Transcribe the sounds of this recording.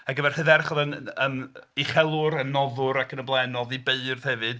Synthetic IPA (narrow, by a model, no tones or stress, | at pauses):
aɡəvɛr̥hɨðɛɾχɔðənəmiχɛlˠʊɾənːɔðʊɾakʰənəblˠɛnɔðibeɨrð̥hɛvɨd̥